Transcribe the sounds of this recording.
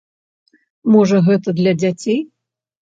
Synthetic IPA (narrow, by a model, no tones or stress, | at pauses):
mɔʐɐɣɛt̪ɐd̪lʲɐd͡zʲat͡sʲej